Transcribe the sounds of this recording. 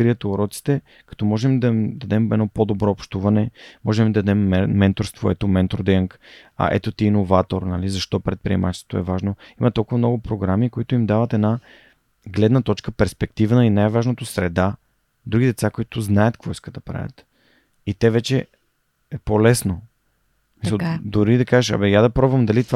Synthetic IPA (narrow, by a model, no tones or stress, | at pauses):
kɾiət̪oːɾɔt̪si̥t̪ɛ | kɐ̥t̪ɔmɔʒɛmd̪ɐimd̪ɐd̪ɛmɛnɔpod̪obɾɔːpʃt̪uvɐnɛmɔʒɛmid̪ɐd̪ɐd̪ɛmːɛːɛnt̪oɾst̪voɛt̪omɛnt̪ɾod̪əŋkɐ̰ʔɛ̰t̪ot̪iːnovat̪oɾnalizɐʃt̪ɔpɾɛt̪̚pɾiɛ̰mat͡ʃɛst̪vot̪oɛvaʒnoimɐt̪ɔlˠkʊvɐmnɔɡʊpɾoɡɾamikoit̪ʊimd̪avət̪ɛna | ɡlɛd̪nət̪ɔt͡ʃkəpɛɾspɛk̚t̪ivnəinajvaʒnot̪osɾɛd̪a | d̪ɾuɡʲid̪ɛt̪sakoit̪ʊznajət̪kvɔiskət̪d̪ɐpɾa̰vʲə̰t̪ | it̪ɛvɛt͡ʃɛ | ɛpolɛsno | smissəlˠd̪oɾid̪ɐkaʒɛʃɐ̰bɛjad̪ɐpɾɔbvɐmd̪ɐlit̪ova